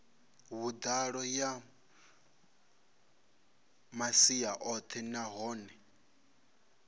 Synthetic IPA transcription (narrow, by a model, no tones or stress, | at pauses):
βud̪aɺɔja | masiaʔɔt̪ʰɛnaɦɔːnɛ